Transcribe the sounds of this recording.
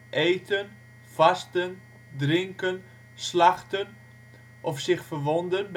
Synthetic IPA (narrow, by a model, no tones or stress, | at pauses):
ʔejtʰən | fastən | drɪŋkən | slaχtən | ʔɔfsɪxfərʋɔndənb